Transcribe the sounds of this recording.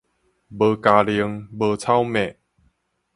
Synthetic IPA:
bə˧ka˧li˧əŋbə˧t͡sʰa˥˨wmɛ̃˨

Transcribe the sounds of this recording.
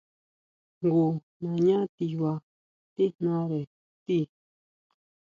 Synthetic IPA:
ŋɡu˨ | nã˨ɲã˦t̪i˧βa˧ | t̪i˦nnã˦ɾe˨ | t̪i˦˨

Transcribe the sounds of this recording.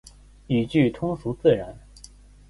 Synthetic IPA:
y˨˩t͡ɕy˥˩t̪ʰʊ˥ŋʂu˧˥t͡sɹ̩˥˩ɻa˧˥n

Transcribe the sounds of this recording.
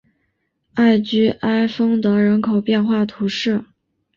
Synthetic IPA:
a˥˩ɪt͡ɕy˥ʔa˥ɪfɤ˥ŋd̪ə˨ɻə˧˥nkʰo˨˩ʊpjɛ˥˧nxwa˥˩t̪ʰu˧˥ʂɻ̩˥˩

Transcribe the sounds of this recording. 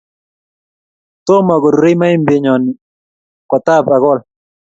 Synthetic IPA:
t̪o˦ma˨ɡɔ˨ɾu˨ɾe˦ma˦i˦mbe˨ɲɔ˨nɪ˨ | kɔ˨t̪a˦pa˨ɡɔ˦˨l

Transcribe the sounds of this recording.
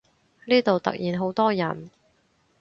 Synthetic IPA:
liː˥t̪o˨wt̪ɐ̰˨k̚jiː˨nɦo˨˥wt̪ɔː˥jɐ̰˨˩n

